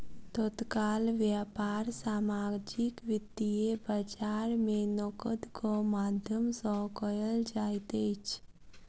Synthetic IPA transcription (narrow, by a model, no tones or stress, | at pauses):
t̪ɔt̪kaːlʋjapaːɾsaːmaːd͡ʒɪkʋɪd̪iebəd͡ʒaːɾmẽnɔːkəd̪kʰomaːd̪ʱjəmsɔkəjəld͡ʒaːit̪et͡ʃʰ